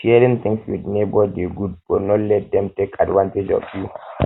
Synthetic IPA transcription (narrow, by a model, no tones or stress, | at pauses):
ʃɛɾĩŋt̪ɪ̃ŋkswḭdnebɔdeɡud̚bɔnɔlɛt̚dɛ̃mtekadwãnted͡ʒɔ̰fju